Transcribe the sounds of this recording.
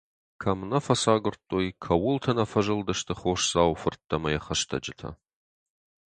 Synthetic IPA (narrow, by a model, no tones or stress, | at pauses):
kʰɐmnɐfɐsaːɡʷʊrtʼːoːjkʰɐwʊltʰɐnɐfɐʒɐldɐʃtʰɨχʷoːʃsaːwfɨrtʰːɐmɐjɛχɐʃtʰɐ̰d͡ʒɪtʰɐ̰